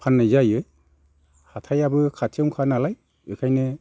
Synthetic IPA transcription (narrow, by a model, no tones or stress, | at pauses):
pʰanːajzajɯj | hatʰajabɯkʰatʰemkʰanalaj | ɯkʰajnɯ